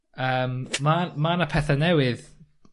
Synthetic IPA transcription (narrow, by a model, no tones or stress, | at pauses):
əːmmamanəpʰɛθanɛwɪð